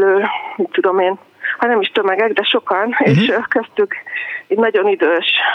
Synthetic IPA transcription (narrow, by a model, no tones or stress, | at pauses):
løːmitt̪ːud̪o̞meːn | hɒnɛmiʃt̪ømɛɡɛɡd̪ɛʃo̞kɒneːʃkɛst̪ykɛɟnɒɟo̞nid̪øːʃ